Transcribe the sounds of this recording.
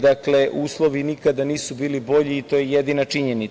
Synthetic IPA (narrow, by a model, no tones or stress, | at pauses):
d̪akle̞ʔuːslˠo̞ʋinikad̪aniːsubiːlibo̞ʎiːt̪o̞jejed̪inat͡ʃiɲenit